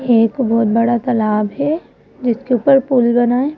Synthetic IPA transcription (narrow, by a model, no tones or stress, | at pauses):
eːkbɔːt̪̚bɐɽat̪ɐlaːbɦɛ | d͡ʒɪskeuːpəɾpulbɐnaːẽː